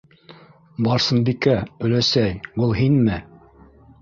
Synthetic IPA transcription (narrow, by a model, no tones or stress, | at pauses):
bɑɾsɤnbikæɵ̆læsæjbulˠɦinmɘ